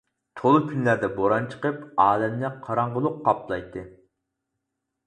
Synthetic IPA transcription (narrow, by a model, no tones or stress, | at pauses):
t̪ʰolˠukʲʰynlæɾd̪ɛboɾɑnt͡ʃʰə̥qəpɑːlɛmnɪqʰɑɾɑɴʁəlˠʊqːɑplˠɑjt̪ʰːɨ